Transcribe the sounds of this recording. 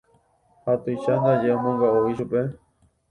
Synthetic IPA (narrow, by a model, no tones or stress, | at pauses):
hat̪ujʃand̪ad͡ʒeamõŋɡaoiʃupe